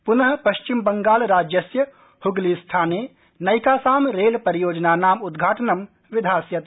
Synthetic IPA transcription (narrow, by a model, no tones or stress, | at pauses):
pʊnɐɦə̆pɐʃt͡ʃimbɐŋɡaːlɾaːd͡ʒjɐsjɐ | hʊɡlist̪ʰaːneː | nɐjkaːsaːmɾeːlpɐɾijoːd͡ʒnaːnaːmʊd̪ɡʱaːʈənɐm | ʋɪd̪ʱaːsjɐt̪